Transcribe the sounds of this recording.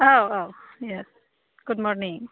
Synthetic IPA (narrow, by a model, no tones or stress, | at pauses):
oʊoʊ | jɛs | ɡ̥ʊd̚mɔɹnĩŋ